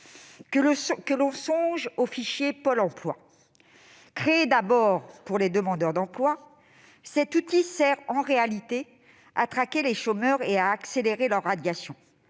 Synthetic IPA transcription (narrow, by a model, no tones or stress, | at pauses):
kəlɔ̃sɔ̃ʒofiʃjepɔlɑ̃plwa̰ | kχeːd̪abɔʁpuʁled̪əmɑ̃d̪œʁd̪ɑ̃plwa | sɛt̪ut̪isɛʁɑ̃ʁealit̪e | a̰t̪χakʲeleʃomœʁeaːkseleʁelœʁːad̪jasjɔ̃